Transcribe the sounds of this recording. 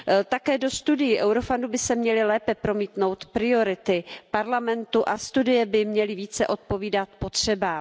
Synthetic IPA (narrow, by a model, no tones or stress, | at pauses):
t̪akɛːdo̞st̪udɪjɪʔɛwɾo̞fandubɪsɛmɲɛlɪlɛːpɛpɾo̞miːt̪no̞wt̪pɾɪo̞ɾɪt̪ɪpaɾlamɛnt̪uʔast̪udɪjɛbɪmɲɛlɪviːt͡sɛʔo̞t̪̚po̞viːdat̪̚po̞t̪r̝̥ɛbaː